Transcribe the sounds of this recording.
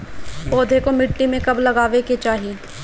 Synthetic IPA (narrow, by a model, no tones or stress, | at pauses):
poːd̪ʱekomɪʈːimẽkɐblɐɡaːʋeket͡ʃaːɦi